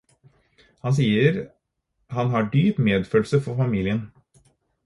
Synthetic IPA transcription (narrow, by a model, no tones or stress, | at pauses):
hɑns̬iːəɾ | hɑnɦɑɖyːpmeːd̪føːlsəfɔfɑmiːlɪən